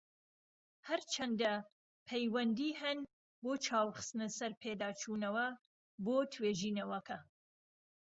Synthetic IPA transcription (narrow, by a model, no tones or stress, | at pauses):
hɐɾt͡ʃʰɐnd̪ɐ | pʰɐjwɐnd̪iːɦɐn | boːt͡ʃʰaːwχɨ̥st̪ɨnɨsɐɾpʰeːd̪aːt͡ʃʰuːnɐwɐ | boːt̪ʰweːʒiːnɐwɐkʰɐ